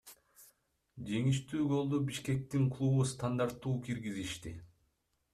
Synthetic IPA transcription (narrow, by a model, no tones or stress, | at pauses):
d͡ʒe̞ŋiʃt̪yːɡo̞lˠd̪ubiʃke̞k̚t̪iŋklˠuβust̪and̪aɾt̪ːuːkʰiɾɡiziʃt̪i